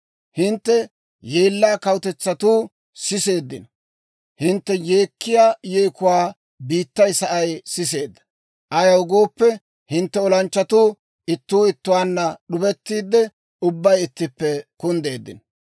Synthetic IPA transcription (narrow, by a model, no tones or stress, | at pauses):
hɪnt̪ːɛ | je̞ːlːaːkɐwʊt̪ɛt͡sːɐt̪uː | sɪse̞ːd̪ːɪ̰n | hɪnt̪ːɛje̞ːkːɪjaːjeːkʊwaː | biːt̪ːɐjsɐʔɐjsɪse̞ːd̪ːɐ̥ | ʔɐjɐwʊɡo̞ːpːɛ | hɪnt̪ːɛɔlɐnt͡ʃːɐt̪uː | ʔɪt̪ːuːɪt̪ːʊwaːnːɐɗʊbɛt̪ːiːd̪ːɛ | ʊbːɐjɪt̪ːɪpːɛkʊnd̪e̞ːd̪ːɪ̰n